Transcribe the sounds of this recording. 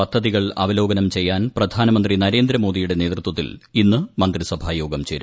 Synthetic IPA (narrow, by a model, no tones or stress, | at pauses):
ɐd̪ʱːɐðiɣɐɭɐ̰ʋɐlo̞ːɡɐnɐmt͡ɕe̞jːaːnprɐd̪ʱaːnɐmɐnd̪rinɐɾe̞ːnd̪ɾɐmoːdijuɽe̞ne̞ːt̪rut̪wɐt̪ːilinːɨmɐnd̪risɐbʱaːjo̞ːɡɐmt͡ɕe̞ːɾu